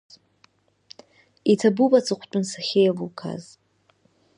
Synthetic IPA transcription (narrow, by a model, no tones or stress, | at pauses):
itʰabubat͡sʰʼɨqʷʰt͡ʃʷʼʊnsaχʲejavukʰa̰z